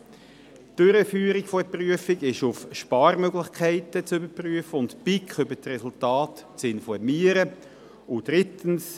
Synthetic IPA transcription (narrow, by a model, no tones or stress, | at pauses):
d̥øɾəfyːɾɪkfɔɛpryəfɪɡɪʃʊfʃpɑːɾmœɡlɪχkʰæɪtət͡sʏbəpryəfəʊntpɪkχʏbətrɛsʊltɑːtt͡sɪnfɔɾmiːəɾə | ud̥ɾɪtəns